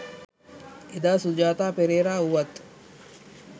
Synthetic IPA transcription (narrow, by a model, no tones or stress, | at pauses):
ed̪aːsud͡ʒaːt̪aːpeɾeːɾaːuʋɐt̪